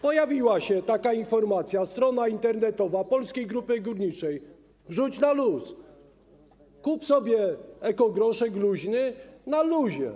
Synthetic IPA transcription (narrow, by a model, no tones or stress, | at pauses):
pɔjavʲiwaɕɛt̪akainfɔɾmat̪sʲjast̪ɾɔnaint̪ɛɾnɛt̪ɔvapɔlskʲejɡɾupɘɡuɾɲit͡ʂɛj | vʐut͡ɕnalus | kupsɔbʲjɛɛkɔɡɾɔʂɛɡluʑnɘnaluʑɛ̰